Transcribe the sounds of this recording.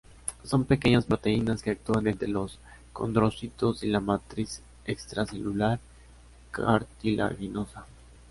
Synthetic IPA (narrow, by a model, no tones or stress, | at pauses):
so̞mpe̞ke̞ɲaspɾo̞t̪e̞inaske̞ak̚t̪uanent̪ɾelo̞s | ko̞̰nd̪ɾo̞sit̪o̞silamat̪ɾis | ekst̪ɾase̞lulaɾ | ka̰ɾt̪ilʔa̰ɣino̞sa